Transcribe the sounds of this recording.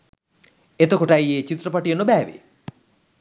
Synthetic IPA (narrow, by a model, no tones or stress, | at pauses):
et̪okoʈɐjeːt͡ʃit̪rɐpaʈijɐnobæːʋḛ